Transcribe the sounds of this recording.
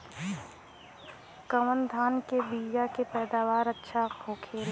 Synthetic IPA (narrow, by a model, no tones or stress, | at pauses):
kəwənd̪ʱaːnkebiːjakepɛːd̪aːʋaːɾətːʃʰaoːkʰeːl